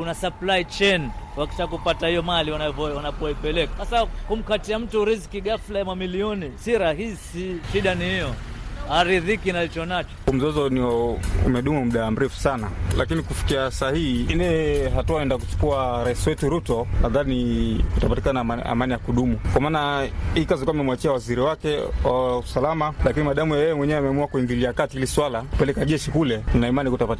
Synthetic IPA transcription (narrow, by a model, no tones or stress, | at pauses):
kunasaplait͡ʃɛnkuaki̥ʃakupatahijɔmaliwanavɔwanapɔipɛlɛkḁsasakum̩katiam̩tuɾiskiɠaflajamamiliɔnisiɾaɦisiʃiɗanihijɔhaɾiðikinalit͡ʃɔnat͡ʃɔ̥um̩zɔzɔniɔṵmɛɗumum̩ɗam̩ɾɛfu̥sanalʔakinikufi̥kiasahihiilɛɦatuaɛndak̬ut͡ʃu̥kuaɾaisiwɛtuɾutɔnaðanikutapatikanaa̰manijakuɗumukwamaːnaikazikuamɛmwat͡ʃiawaziɾiwakɛwawusalamalakinimaɗamujajɛjɛmwɛɲɛɛamɛamuakuiŋɡiliakatihiliswalaku̥pɛlɛkaʄɛʃikulɛninaimanikutapat